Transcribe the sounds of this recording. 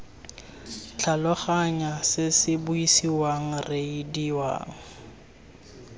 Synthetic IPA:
t͡ɬʰalɔχaɲasɪsɪbʊisiwaŋ̩reidiwa̰ːŋ̩

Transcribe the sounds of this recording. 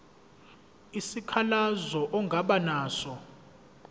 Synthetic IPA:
isikʰalazɔʔɔŋɡʱaɓanaːsɔ

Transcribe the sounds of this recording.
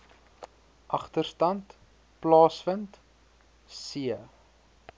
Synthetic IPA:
ʔɐχtərstɐnt | plɑːsfənt | siə

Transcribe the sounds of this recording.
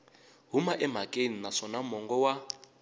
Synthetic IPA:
ɦumaʔɛm̤akʼeninasɔnamɔŋɡɔwa

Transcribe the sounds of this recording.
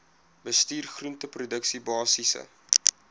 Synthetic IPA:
bəstiːrχruntəprudəksibɑːsisə̰

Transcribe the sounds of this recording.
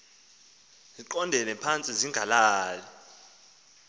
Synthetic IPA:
ziǃɔndʱɛlɛpʰant͡sʼiziŋɡʱalaːlɛ

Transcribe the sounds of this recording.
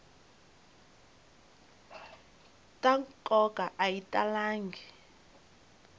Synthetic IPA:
tʼaŋkʼɔkʼaʔajitʼalaːŋɡʱi

